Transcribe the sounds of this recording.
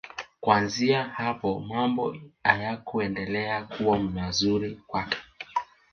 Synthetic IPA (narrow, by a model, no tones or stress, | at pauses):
kwanziahapɔmambɔajakuɛndɛlɛakuwamazuɾikwakɛ̥